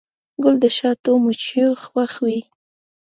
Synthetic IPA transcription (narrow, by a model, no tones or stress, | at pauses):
ɡʊld̪əʃɑt̪omʊt͡ʃjoxwaxwi